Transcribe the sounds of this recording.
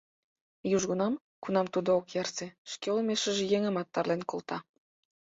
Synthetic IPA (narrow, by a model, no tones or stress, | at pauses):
juʒɣunɑm | kunɑmt̪ud̪ookjɑrseʃkeolmeʃə̆ʒĕjeŋə̆mɑt̪ːɑrlenkolˠt̪ɑ